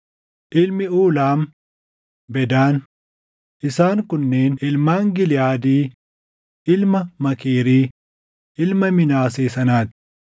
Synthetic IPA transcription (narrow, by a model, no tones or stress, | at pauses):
ʔɪlmɪuːlaːm | bɛd̪aːn | ʔɪsaːŋkʊnːe̞ːnɪlmaːŋɡɪlɪjaːd̪iː | ʔɪlmɐmɐkiːɾiː | ʔɪlmɐmɪnaːseːsɐnaːt̪ɪ̥